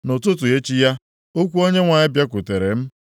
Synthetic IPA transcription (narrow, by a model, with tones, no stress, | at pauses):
no˨tʊ˦t̬ʊ˨e˦t͡ʃi˦ja˦ | o˦kʷu˦o˦ɲe˦ŋʷa˨ɪ˦bja˦kʷʊ˨te˨ɾe˨m̩˦